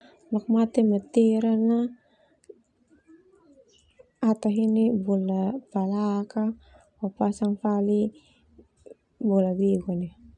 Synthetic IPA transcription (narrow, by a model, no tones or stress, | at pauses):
lɔk̚mat̪ɛmat̪iɾana | at̪aɦinibɔlapalaka | wapasaŋfali | bɔlabiɡɔnɛ